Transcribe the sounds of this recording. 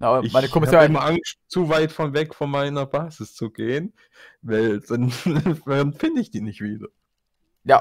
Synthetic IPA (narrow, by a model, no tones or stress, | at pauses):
naɪçmaɪnəkʰɔmɪshaaɪmɐʔaŋstt͡suvaɪtfɔnvɛkfɔnmaɪnɐbaːzɪst͡suɡeːən | vaɪld̥an | anfɪndəɪçd̥iːnɪçtv̥iːdɐ | ja